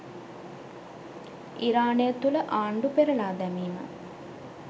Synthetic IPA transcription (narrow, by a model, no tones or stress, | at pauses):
iɾaːnejət̪uləʔaːɳɖupeɾəlaːd̪æmiːmə̰